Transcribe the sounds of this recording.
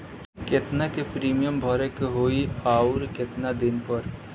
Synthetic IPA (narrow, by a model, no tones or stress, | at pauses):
ket̪nakepɾiːmijəmbʱɔɾekɦoiaːʊɾket̪nad̪ɪnpəɾ